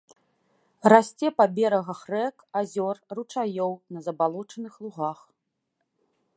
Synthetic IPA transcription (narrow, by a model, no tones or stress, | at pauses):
rasʲt͡sʲɛpabʲɛɾɐɣɐxrɛkazʲɔrrut͡ʂajɔwnɐzɐbalˠɔt͡ʂɐnɨxlˠuɣax